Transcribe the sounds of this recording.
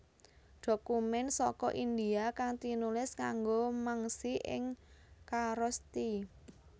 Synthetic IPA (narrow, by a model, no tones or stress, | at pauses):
d̥o̤kumɛnsɔkɔʔind̪iakaŋt̪inulɪskaŋɡomaŋsiʔɪ̰ŋkaɾɔst̪i